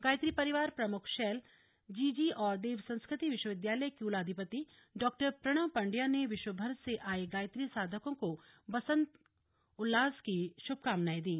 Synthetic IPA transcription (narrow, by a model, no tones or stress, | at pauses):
ɡaːjt̪ɾipɐɾɪʋaːɾpɾɐmʊkʰʃɛːl | d͡ʒiːd͡ʒiʔɔːɾd̪eːʋsɐ̃nskɾɪt̪iʋɪʃwəʋɪd̪jaːləjkiʊlaːd̪ʱipət̪i | ɖɔːk̚ʈəɾpɾɐɽ̃əʋpɐ̃ɳɖjaneʋɪʃwəbʱɐɾseʔaːeɡaːjt̪ɾisaːd̪ʱəkõko | bɐsə̃nt̪ | ʊlːaːzkiʃʊb̚ʱkaːmnaːid̪ĩː